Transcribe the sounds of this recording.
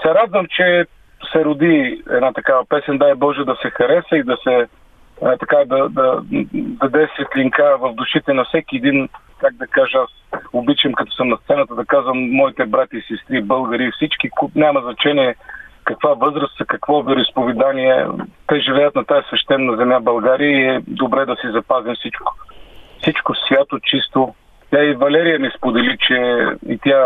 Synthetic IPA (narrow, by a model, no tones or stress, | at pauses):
sɛɾad̪vəmt͡ʃɛ | sɛɾʊd̪iɛ̰d̪nat̪ɐkavɐpɛsɛnʲd̪ajbɔʒɛd̪ɐsɛxɐɾɛsəid̪ɐsɛ | t̪ɐkad̪ɐd̪ɐd̪ɐd̪ɛsɛt̪lʲiŋkavɐvd̪ʊʃit̪ɛnɐfsɛkiɛd̪in | kaɡ̚d̪ɐkaʒɐasʊbit͡ʃɐmkɐt̪ɔ̥səmnɐst̪sɛnət̪əd̪ɐkazvɐmːɔit̪ɛbɾat̪ʲiːsɛst̪ɾibɤlˠɡəɾifsit͡ʃkiknʲamɐznɐt͡ʃɛniɛkɐkvavɤzɾəszɐkɐkvɔvɛɾʊispovɛd̪aniɛ̰t̪ɛʒɛlɛjət̪nɐt̪aɛsvɛʃt̪ɛnːɐzɛmjabɐlˠɡaɾiəiɛd̪obɾɛd̪ɐsizɐpazimsit͡ʃkʊ̥fsit͡ʃkosvʲjat̪ot͡ʃist̪o | t̪ʲjaivɐlɛɾijəmispod̪ɛlit͡ʃɛḭt̪ʲa